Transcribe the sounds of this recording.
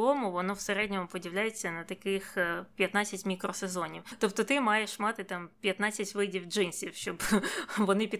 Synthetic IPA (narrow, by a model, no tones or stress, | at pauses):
ɔmʊʋɔnɔwseɾɛdʲnʲɔmʊpɔdʲiwlʲajet͡sʲːɐnɐt̪ɐkɪxpʲjɐt̪nɑt͡sʲːɐtʲmʲikɾɔsezɔnʲiwt̪ɔp̚t̪ɔt̪ɪmɑjɛʃmɑt̪ɪt̪ɑmpʲjɐt̪nɑt͡sʲːɐtʲʋɪdʲiwd͡ʒɪnsʲiwʃt͡ʃɔbʋɔnɪpʲi